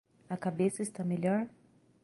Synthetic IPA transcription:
ɐkabesɐist̪ameʎɔɾ

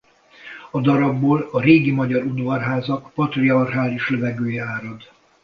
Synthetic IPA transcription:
ɒd̪ɒɾɒbːoːlɒɾeːɡimɒɟɒɾunvɒrɦaːzɒkpɒt̪riɒrɦaːliʃlɛvɛɡøːjɛaːɾod̪

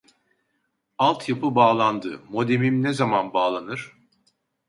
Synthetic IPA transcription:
alˠt̪ʰjapɯbaːlˠand̪ɯ̰mo̞d̪emimnezamanbaːlˠanɯɾ̥

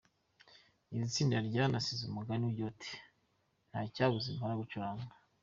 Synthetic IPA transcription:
iɾit͡siːndiaɾɟanasizumuɡanujotʰe̥ | n̥haːcaɡuzimaɾaɡut͡ʃuɾaːŋɡa

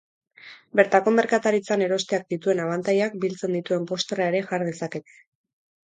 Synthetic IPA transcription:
be̞ɾt̪ako̞me̞ɾkat̪aɾit͡sane̞ɾo̞st̪e̞ak̚d̪it̪ue̞naβant̪ajak̚bilt͡se̞nd̪it̪ue̞mpo̞st̪erae̞ɾe̞ʝaɾðe̞sake̞t̪e̥

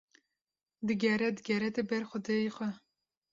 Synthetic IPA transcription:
d̪ɨɡɛɾɛd̪ɨɡʲɛɾɛt̪ebɛɾxʷɔd̪ejexʷɛ

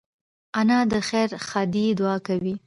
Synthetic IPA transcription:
anɑd̪əxeɾxɑd̪id̪ʊɑkawi

